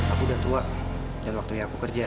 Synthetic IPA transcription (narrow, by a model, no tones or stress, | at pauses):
akudat̪uaʔ | danwak̚t̪ujãakukərd͡ʒa